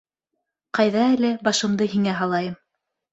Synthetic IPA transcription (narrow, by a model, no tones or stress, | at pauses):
qɑjðɑælɘbɑʃɤ̆md̪ɤɦiŋæɦɑlˠɑjɤm